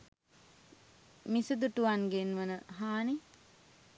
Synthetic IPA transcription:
misud̪uʈuʋanɡenʋənəɦaːni

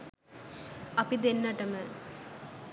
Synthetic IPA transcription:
ɐpid̪enːɐʈɐmə

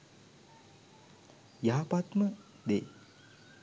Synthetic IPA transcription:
jaɦapat̪mə | d̪e

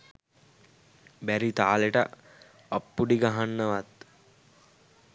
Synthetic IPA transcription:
bæɾit̪aːleʈə̰ | ɐpːuɖiɡaɦanːəʋat̪

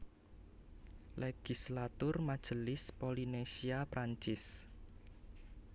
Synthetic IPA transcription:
leɡ̥islat̪ʊrmad̥ʒ̥ə̤lɪspolinesiapɾaɲt͡ʃɪs

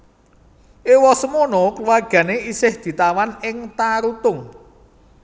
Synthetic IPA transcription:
ʔewɔsəmonokluwarɡ̥ä̤neisɪhd̪̥i̤t̪awanɪŋt̪aɾut̪ʊŋ

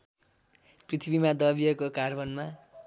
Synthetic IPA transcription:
prit̪ʰibimad̪ʌbijʌkokarbʌnma

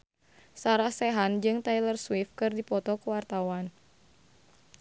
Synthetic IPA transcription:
saɾahsɛɦand͡ʒɨŋt̪ajlərswɪfkɨrdipɔt̪ɔkəwart̪awan

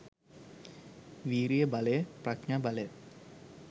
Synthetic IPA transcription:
ʋiːɾijəbɐlejprɐkɲabɐlej

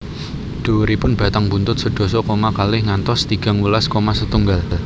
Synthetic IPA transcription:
ɖ̪̥o̤ɾipʊnb̥ä̤t̪aŋbunt̪ʊt̪̚səɖ̪̥o̤sɔkomakalɪhŋant̪ɔst̪iɡ̥a̤ŋulaskomasət̪uŋɡall

